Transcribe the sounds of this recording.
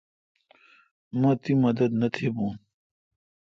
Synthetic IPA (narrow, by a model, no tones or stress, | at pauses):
mɐ̃t̪imɐd̪ɐd̪nɐt̪ʰebũː